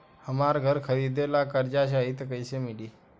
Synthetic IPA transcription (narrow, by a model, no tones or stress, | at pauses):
həmaɾɡʱəɾkʰəʋid̪elakəɾd͡ʑaɕ̬aɦit̪kəjsemiɽiː